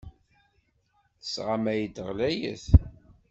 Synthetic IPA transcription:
θə̥sʁamæjəd̪əʁlæjə̰θ

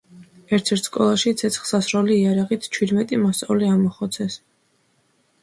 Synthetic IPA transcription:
ɛɾt̪ʰɛɾt̪ʰskʼɔlˠaʃit̪sʰɛt̪sʰχsasɾɔliːaɾaʁit̪ʰt͡ʃʰwid̪mɛt̪ʼimast̪sʼa̰vliamɔχɔt̪sʰɛs

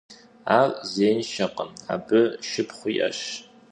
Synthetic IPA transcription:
aːrzeːnʃɐqəma̰ːbɨʃɪpχʷiːʔɐ̰ɕ

